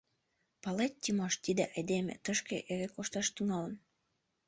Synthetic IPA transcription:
pɑlet̚ʲːimɑʃt̪id̪eʔed̪emʲḛt̪əʃkḛʔeɾekoʃt̪ɑʃt̪yŋɑlə̆n

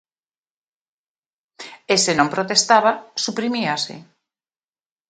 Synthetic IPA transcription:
esenõmpɾot̪est̪aβasupɾimiasɪ̰

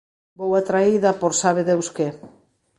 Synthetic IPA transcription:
bowat̪ɾaiðɐpoɾsaβ̞eðewske

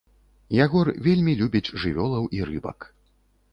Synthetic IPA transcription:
jaɣɔrvʲelʲmʲilʲubʲid͡zʲʐɨvʲɔlˠɐwiɾɨbɐ̰k

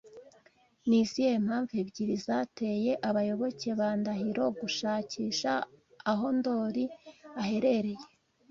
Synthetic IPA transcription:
nizijem̥haːɱvebɟiɾizate̞je̞ʔaβajo̞βo̞ce̞βaːndaɦiɾo̞ɡuʃaːciːʃaː | ɦo̞ndo̞ːɾiahe̞ɾe̞ɾe̞je

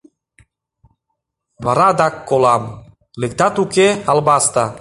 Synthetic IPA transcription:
βɑɾɑd̪ɑkːolɑm | lek̚t̪ɑt̪ukeɑlbɑst̪ɑ

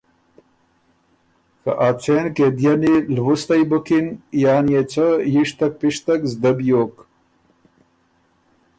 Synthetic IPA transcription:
ka̰ʔat͡sʰenked̪jɐnilwust̪ɐjbukinjaːnjet͡səjiʂt̪ɐk̚piʂt̪ɐkzd̪ɐbjoːk

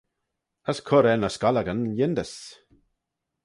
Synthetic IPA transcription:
əskʰʊɾɛnəskaləɡənjɪnd̪əs

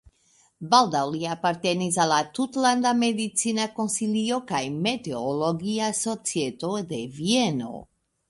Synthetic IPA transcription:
bald̪aliapaɾt̪ɛnizalat̪ut̪land̪amed̪it̪sinakonsilijokajmɛt̪ɛolɔɡiasɔt̪siɛt̪od̪ɛviɛno̰

